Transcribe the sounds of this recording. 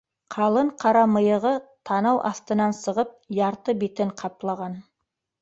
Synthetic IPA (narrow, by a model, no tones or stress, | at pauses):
qʰɑlˠəɴqʰɑɾɑməjəʁət̪ʰɑnɑwʔɑ̰st̪ənɑnsəʁəp̚jɑɾt̪əbet̪ɪɴqʰɑplˠɑʁɑn